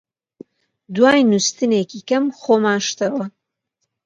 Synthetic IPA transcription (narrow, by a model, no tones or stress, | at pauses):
d̪waːjnust̪ɨneːkikɐmχoːmaːnʃt̪ɐwɐ